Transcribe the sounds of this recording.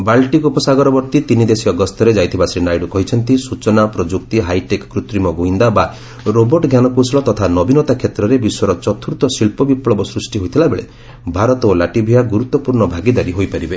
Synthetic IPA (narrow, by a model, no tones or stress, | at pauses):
balʈikupɔsaɡɔɾɔbɔɾt̪it̪inid̪esiɔɡɔst̪ʰɔɾed͡ʒajt̪ʰibasɾinajɖukɔɦit͡ʃʰɔnt̪isut͡ʃɔnapɾɔd͡ʒuk̚t̪iɦajʈekkɾut̪ɾimɔɡoɦind̪aba | ɾobɔɾʈɔɡʱjanɔkusɭɔt̪ɔt̪ʰanɔbinɔt̪akʰjet̪ɾɔɾebiswɔɾɔt͡ʃɔt̪ʰuɾt̪ɔsiɭpɔbipɭɔbɔsɾusʈiɦojt̪ʰilabeɭe | bʱaɾɔt̪ɔolaʈibʱijaɡuɾut̪ːɔpuɾɳɔbʱaɡid̪aɾiɦojpaɾibe